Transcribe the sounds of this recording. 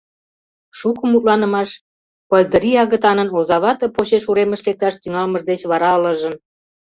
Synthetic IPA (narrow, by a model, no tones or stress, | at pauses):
ʃukəmut̪lɑnə̆mɑʃ | pəlʲd̪əɾiɑɣət̪ɑnənozɑβɑt̪ə̆poɕeʃuɾeməʃlek̚t̪ɑʃt̪yŋɑlməʒd̪et͡ɕβɑɾɑləʒə̆n